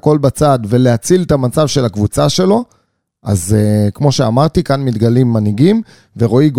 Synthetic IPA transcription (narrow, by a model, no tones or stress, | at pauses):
ko̞lbat͡sad̪ve̞le̞at͡silt̪amat͡savʃe̞lakvut͡saʃe̞lo̞ | a̰zekmo̞ʃea̰maʁt̪ikanmit̪ɡalimːaniɡim | ve̞ʁo̞iɡ